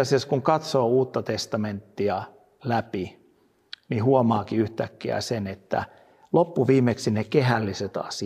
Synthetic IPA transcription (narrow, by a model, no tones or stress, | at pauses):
æseskuŋkɑt̪soːuːt̪ːɑt̪est̪ɑment̪ːiɑ | læpi | nihuomɑːkiyht̪ækːiæ̰senet̪ːæ̰ | lopːuʋiːmeksinekeɦælːiset̪ɑ̰si